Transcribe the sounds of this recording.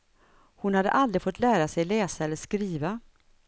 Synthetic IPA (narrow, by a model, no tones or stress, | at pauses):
hʊnhad̪ːə̰ʔald̪ɾɪfɔt̪ːlæːɾasɛjlɛːsaɛlːəʂkɾiːva